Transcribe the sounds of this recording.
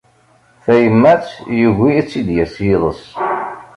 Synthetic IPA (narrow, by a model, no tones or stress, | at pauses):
θæjəmːæt͡sjuʝiit͡sːid̪jæsjiðˤə̰s